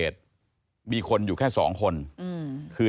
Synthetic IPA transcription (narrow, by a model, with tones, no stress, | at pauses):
eː˨˩t̪̚ | miː˧kʰo˧njuː˨˩kʰɛː˥˩sɔ̰ː˩˦ŋkʰo˧n | kʰɯː˧